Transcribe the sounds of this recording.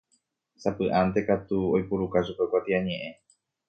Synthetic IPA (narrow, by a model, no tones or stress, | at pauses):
sapɨʔant̪̬e̞kat̪uojpuɾukaʃupekʷat̪iaɲẽ̞ʔẽ̞